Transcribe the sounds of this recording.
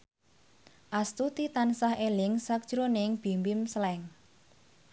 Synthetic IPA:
ʔast̪ut̪it̪ansahelɪŋsak̚d̥ʒ̥ɾonɪŋb̥i̤mbɪmsəlɛŋ

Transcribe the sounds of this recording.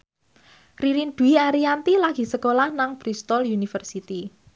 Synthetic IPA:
riɾind̪̥uiaɾiant̪ilaɡ̥i̤səkolahnaŋb̥ɾist̪ɔlunifərsit̪i

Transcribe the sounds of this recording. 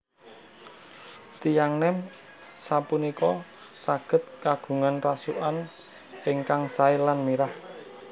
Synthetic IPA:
t̪ijaŋnɛm | sapunikɔ | saɡ̥ə̤t̪̚kaɡ̥ṳŋanrasuʔan | ɪŋkaŋsaɪlanmiɾah

